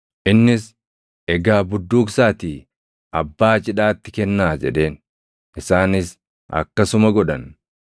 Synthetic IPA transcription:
ʔɪnːɪs | ʔɛɡaːbʊd̪ːuːksaːt̪iː | ʔɐbːaːt͡ʃʼɪᶑaːt̪ːɪkɛnːaːd͡ʒɛᶑe̞ːn | ʔɪsaːnɪs | ʔɐ̰kːɐsʊmɐɡɔᶑɐn

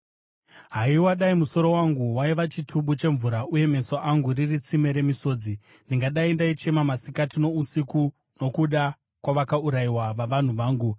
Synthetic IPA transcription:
ɦaiwaɗaimuso̞ɾo̞waŋɡuwaiʋat͡ʃitʰuɓut͡ʃe̞ɱvuɾauje̞me̞soʔaŋɡuririt͡sime̞ɾe̞miso̞ːd͡zi | ndiŋɡaɗaindait͡ʃe̞mamasikatino̞usiku | no̞kuɗa | kwaʋakauɾaiwaʋaʋan̤uʋaːŋɡu

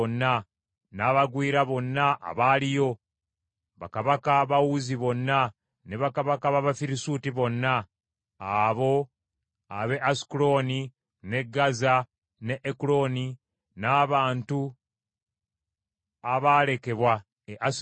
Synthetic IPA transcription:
onːa | naːβaɡwiːɾaβo̞nːaʔa̰βaːlijo̞ | βa̰kaβakaβawuziβo̞nːa | ne̞βakaβakaβaβafiɾisuːtiβo̞nːaː | βo̞ | aβe̞ʔasi̥kulo̞ni | ne̞ɡaza | ne̞ʔːkulo̞ni | naːβaːntu | aβaːle̞ke̞βwa | eʔa

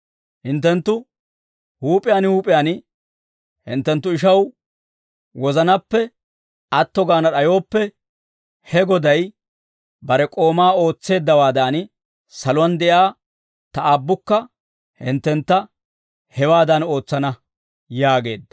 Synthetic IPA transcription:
hɪnt̪ːɛnt̪ːʊ | huːpʼɪjaːnhuːpʼɪjaːn | hɪ̰nt̪ːɛnt̪ːʊɪʃɐw | wɔzɐnɐpːɛ | ɐt̪ːɔɡaːnɐɗɐjo̞ːpːɛ | hɛɡɔd̪ɐj | bɐɾɛkʼo̞ːmaːo̞ːt͡sːe̞ːd̪ːɐwaːd̪aːn | sɐlʊwɐnd̪ɛʔaː | t̪ɐabːʊkːɐ | hɪ̰nt̪ːɛnt̪ːɐ | hɛwaːd̪ɐno̞ːt͡sːɐnɐ | jaːɡe̞̰ːd̪ːɐ̥

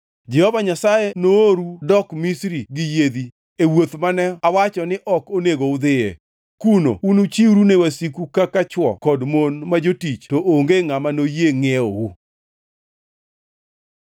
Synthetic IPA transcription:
d͡ʒɛhɔvaɲasajenooɾudɔkmisɾiɡɪjed̪i | ewot̪manɛawat͡ʃɔnɪʔɔkoneɡoʊd̪ɪḛ | kuno̰unut͡ʃiwɾunewasikukakat͡ʃwɔ̰kɔdmonmad͡ʒotit͡ʃtoʔoŋɡeŋamanojeŋeowu

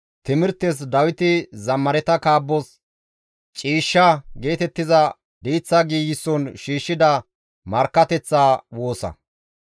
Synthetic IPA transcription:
t̪ɪmɪɾt̪ːɛs̬d̪ɐwɪt̪ɪzɐmːɐɾɛt̪ɐkaːbːɔs | t͡ʃʼiːʃːɐɡe̞ːt̪ɛt̪ːɪzɐ | d̪iːt͡sːɐɡiːjɪsːɔnʃiːʃːɪd̪ɐ | mɐɾkːɐt̪ɛt͡sːaːwo̞ːsɐ̰

